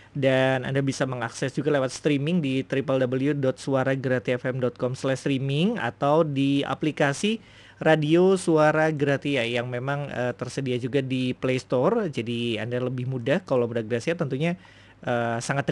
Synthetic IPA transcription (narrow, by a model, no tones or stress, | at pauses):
dana̰ndabisaməŋaksɛsd͡ʒuɡalewat̪̚st̪ɾimɪŋdit̪ɾipəldabəljudɔt̪̚suaɾaɡəɾat̪iɛfɛmdɔt̪̚kɔmslɛʃst̪ɾimɪŋa̰t̪awdia̰plikasi | radiosuaɾaɡəɾat̪ijajaŋmemaŋət̪ərsədiad͡ʒuɡadiplest̪ɔrd͡ʒadia̰ndaləbɪhmudahkalawmudaɡəɾatsiat̪ənt̪uɲa | ʔəːsaŋat̪̚ː